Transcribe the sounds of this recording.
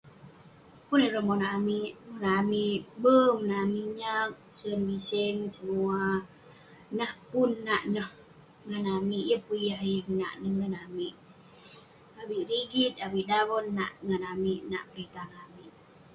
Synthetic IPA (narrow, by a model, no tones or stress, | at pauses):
puniɾəmɔnamiʔmɔnamiʔbəŋnamiʔɲak̚sənbisɛŋsəmua | nəhpunːaʔnəh | ŋənamiʔjəpujaɦjəŋna̰ʔnəhŋənamiʔ | awiʔɾiɡit̪̚awiʔdawɔnːa̰ʔŋənamiʔna̰ʔpəɾit̪aŋamiʔ